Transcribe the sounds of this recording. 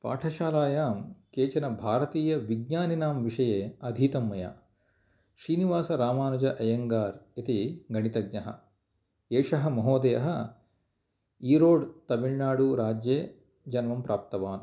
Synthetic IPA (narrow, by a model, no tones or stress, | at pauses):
pa̰ːʈʰɐʃaːlaːjaːmkeːt͡ʃɐnɐbʱaːɾɐt̪iːjɐʋiɡ̚ɲaːninaːmʋiʂɐjeːɐd̪ʱiːt̪ɐmːɐja̰ | ʃɾiːniʋaːsɐɾaːmaːnɐd͡ʒɐʔɐjɐŋɡaːɾit̪iɡɐɳit̪ɐɡ̚ɲɐɦɐ̰ | eːʂɐɦɐ̆mɐɦoːd̪ɐjɐ̰ɦɐ | iːɾoːɖt̪ɐbiɭnaːɽuɾaːd͡ʒjeː | d͡ʒɐnʋɐmpɾaːp̚t̪ɐʋaːn